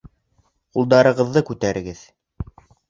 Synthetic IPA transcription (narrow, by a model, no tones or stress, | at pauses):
qulˠd̪ɑɾɤ̆ʁɤ̆ðːɤkʉt̪æɾɘ̆ɡɘð